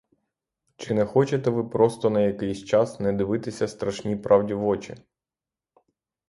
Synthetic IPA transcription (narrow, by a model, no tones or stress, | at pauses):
t͡ʃɪnɛxɔt͡ʃet̪ɛʋɪpɾɔst̪ɔnɐjɐkɪjsʲt͡ʃɑsnɛd̪ɪʋɪt̪ɪsʲɐst̪ɾɐʃnʲipɾʔɑwdʲiʋɔt͡ʃɪ̰